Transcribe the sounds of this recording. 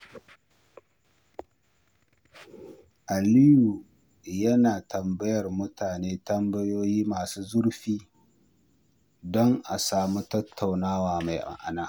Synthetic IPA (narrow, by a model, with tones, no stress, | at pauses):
ʔa˨lɪ˦ju˨ | jɐ˦naː˨tɐ˨mbɐ˦jɐ˨rmʊ˦tʰaː˨neː˦tɐ˦mbɐ˦joː˦jiː˦maː˨suː˦zʊ˦ɽɸiː˦ | dɔ˦ŋʔa˨saː˨muː˦tɐ˦tʰːɐ˨wnaː˦waː˨ma˨jʔa̰˨ŋʔa̰˨naː˦